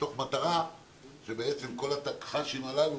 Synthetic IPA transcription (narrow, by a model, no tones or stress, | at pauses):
to̞χmat̪aʁa | ʃebeet͡semko̞lat̪akχaʃimalav